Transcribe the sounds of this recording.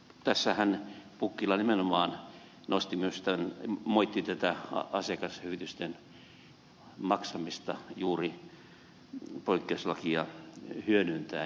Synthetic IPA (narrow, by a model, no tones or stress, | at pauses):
t̪æsːæhænpukːilːˑɑnimenomɑːn | nost̪imyøst̪ænmoit̪ːit̪æt̪æɑ̰ɑsekɑshyʋit̪yst̪en | mɑksɑmist̪ɑjuːri | poikːeoslɑkiɑhyønynt̪æː